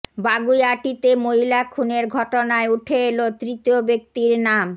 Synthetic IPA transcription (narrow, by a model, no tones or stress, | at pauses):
baɡujaʈit̪emoɦilakʰuneɾɡʱɔʈonaeuʈʰeelot̪ɾit̪iobek̚t̪iɾnam